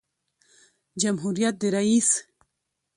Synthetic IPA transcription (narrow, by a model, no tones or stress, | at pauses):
d͡ʑamɦuɾijat̪̚d̪eɾais